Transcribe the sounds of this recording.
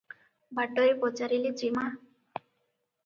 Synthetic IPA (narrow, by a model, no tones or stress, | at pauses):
baʈɔepɔt͡saɾilid͡ʒima